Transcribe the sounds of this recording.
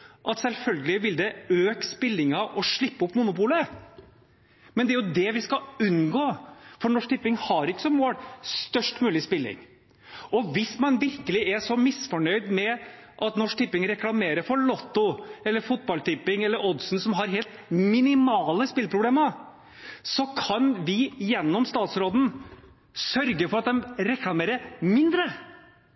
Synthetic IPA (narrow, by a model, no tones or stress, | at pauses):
ʔɑt̪sɛlfœlɡəlɪʋɪld̪ɛøːkspɪlːɪŋɑʔɔʂɭɪpːəʊpːmʊnʊpuːlə | mɛnd̪ɛæɾjʊd̪ɛʋɪskɑʉnɡoːfɔɳɔʂk̚t̪ʰɪpːɪŋhɑɾɪkːə̥sɔmoːɽst̪œʂʈmʉːlɪspɪlːɪ̰ŋ | ɔʋɪsmɑnʋɪɾkəlɪʔɛʂɔmɪsfɔɳœʏd̪mɛ | ʔɑt̪nɔʂk̚t̪ʰɪpːɪŋɾɛklɑmeːɾəɾfɔɭɔt̪ːʊɛlːəɾfʊt̪̚bɑlt̪ʰɪpːɪŋɛlːəɾɔd̪sn̩sɔmɦɑɾɦeːlt̪mɪnɪmɑːləspɪlpʰɾʊbleːmə | sɔkʰɑnʋɪjɛnːɔmst̪ɑːt̪sɾoːd̪n̩ | sœɾɡəfɔɾɑt̪̚d̪ɛmɾɛklɑmeːɾəmɪnd̪ɾə